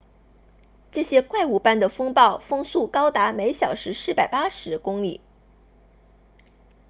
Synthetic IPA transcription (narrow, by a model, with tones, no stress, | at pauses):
ʈ͡ʂɤ˥˩ɕjɛ˥kwa˥˩ɪu˨˩pa˥˩nd̪ə˩fɤ˥ŋpɑ˥˩ʊfɤ˥ŋsu˥˩kɑ˥ʊt̪a˧˥me˧˥ɪɕjɑ˨˩ʊʂɻ̩˧˥ʂɻ̩˥˩pa˨˩ɪpa˥ʂɻ̩˧˥kʊ˥ŋlḭ˨˩˦